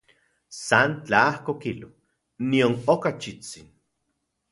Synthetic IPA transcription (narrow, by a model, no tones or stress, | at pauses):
sant͡ɬaahkokilo | nionokat͡ʃit͡sin